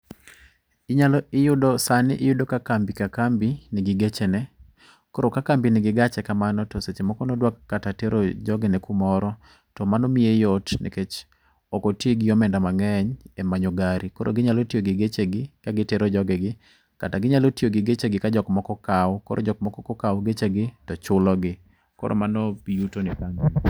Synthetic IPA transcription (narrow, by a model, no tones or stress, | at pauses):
ɪɲalɔɪjʊdɔsanɪ̰ʔɪjʊdokakambikakambinɪɡɪɡet͡ʃenɛ | kɔɾokakambinɪɡɪɡat͡ʃɛkamanɔtɔset͡ʃemɔkɔnɔdwakːatateɾod͡ʒɔɡɛnɛkumɔɾɔ | tɔmanɔmiejɔtnḛket͡ʃ | ɔkoteɡɪjɔmɛndamaŋɛɲɛmaɲoɡaɾikɔɾʔo̰ɡɪɲalotioɡɪɡet͡ʃeɡɪkaɡɪteɾod͡ʒɔɡɛɡɪ | kataɡɪɲalotioɡɪɡet͡ʃeɡɪkad͡ʒɔkmɔkɔkawkɔɾʔo̰d͡ʒɔk̚mɔkɔkɔkawɡet͡ʃeɡɪtɔt͡ʃʊlɔɡɪ | kɔ̰ɾo̰manɔjutonɪkamin